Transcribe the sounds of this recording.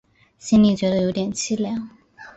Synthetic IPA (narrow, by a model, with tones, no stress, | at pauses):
ɕi˥ni˥˨t͡ɕɥɛ˧˥d̪jo˧˥ʊt̪jɛ˨˩nt͡ɕʰi˥˨ljɑ˨˥˦ŋ